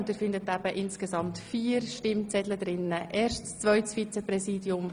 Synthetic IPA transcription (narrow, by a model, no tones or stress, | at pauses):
ndɪːɾfɪndətæb̥əʔɪnskesɑmtfiːəɾʃtɪmt͡sɛdləd̥̪ɾɪnːəʔeːrʃtst͡sʋœʏtsfit͡sɛpɾɛsiːdiʊm